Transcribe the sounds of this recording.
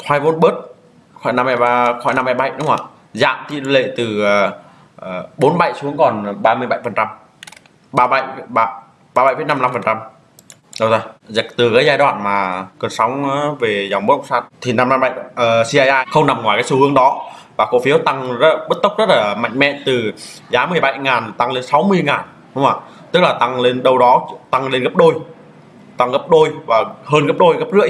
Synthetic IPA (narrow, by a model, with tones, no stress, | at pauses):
t̪ʰwaː˧jvo˨˦nɓəː˦˥t̚ | xɔ̰˧˩jna˧mha˧jaː˧xwɔ̰˧˩jna˧mha˧jɓa˧˩jɗʊ˨˦ŋ͡ma̰ː˧˩ | za̰ː˧˨mt̪ḭ˧˨˧lḛ˧˨t̪ɨ˨˩˨ | ɓo˨˦nɓa̰˧˩jsu˨˦əŋkɔ˨˩nɓaː˧mɨ˧əjɓa˧˨jfə˨˩nt͡ɕa˧m | ɓaː˧ɓa̰˧˨jɓaː˧˩ | ɓaː˧ɓa˧˨jfə˨˦na˧mla˧mfə˨˩nt͡ɕa˧m | ɗə˧wzaː˧zt̪ɨ˨˩kaː˨˦jzaː˧jɗwa̰ː˧˨nmaː˨˩kə˨˩nsa˨˦wŋ͡mːve˨˩zaː˨˩wŋ͡mm˨˦˥ɗə̰˧˨ŋ͡msaː˧nt̪ʰi˨˩na˧mla˧mɓa̰˧˨jʔəː˨˩si˧ʔaː˧jʔaː˧jxə˧wŋ͡mna˨˩mŋwaː˨˩jkaː˨˦jsu˧˩hɨ˨˦əŋɗɔ˨˦vaː˨˩ko˨˦fi˨˦əwt̪a˧ŋzə˦˥ɓə˦˥t̚t̪ə˦˥wk͡p̚zə˦˥t̚laː˨˩ma̰˧˨ŋ̟mɛ̰˧˨t̪ɨ˨˩zaː˨˦mɨ˨˩əjɓa˧jŋaː˨˩nt̪a˧ŋle˧nsa˨˦wmɨ˧əjŋaː˨˩n | hʊ˨˦ŋ͡maː˨˩ | t̪ɨ˦˥k̚laː˨˩t̪a˧ŋle˧nɗə˧wɗɔ˨˦t̪a˧ŋle˧nɣə˦˥p̚ɗo˧j | t̪a˧ŋɣə˦˥p̚ɗo˧jvaː˨˩həː˧nɣə˦˥p̚ɗo˧jɣə˦˥p̚zɨ̰˧˥əj